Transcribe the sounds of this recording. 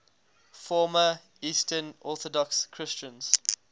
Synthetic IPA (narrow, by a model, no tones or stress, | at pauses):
fɔːmə | iːstʰənʔɔˑθɔdɔkskʰɹ̥ɪst͡ʃə̃nz̥